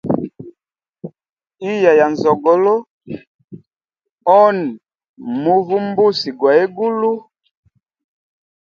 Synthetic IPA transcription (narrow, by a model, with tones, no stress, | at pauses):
i˦ja˨ja˨n˨zɔ˨ɡɔ˨lo˦ | ɔ˦n˨ | mu˦vu˦m˦bu˦si˨ɡwa˨e˦ɡu˦lu˦